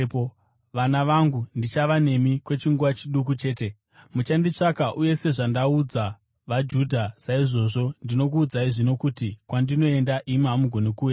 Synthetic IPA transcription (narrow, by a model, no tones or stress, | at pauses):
p | ʋanaʋaŋɡundit͡ʃaʋane̞mikwe̞t͡ʃiŋɡuʋat͡ʃiɗuk̬ut͡ʃe̞ːte̞ | mut͡ʃandit͡ʂakaʔuje̞se̞ʐandaud͡za | ʋad͡ʒudʱasaiʐo̞ʐo̞ndino̞k̬uːd͡zaiʐino̞kutikwandino̞e̞ndaʔimamuɡʱo̞nekuːja